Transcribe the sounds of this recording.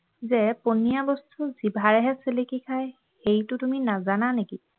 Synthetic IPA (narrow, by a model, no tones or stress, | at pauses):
zɛponijabɔstʰuzibʱaɹɛɦɛselekikʰaj | xejtʊtuminazananeki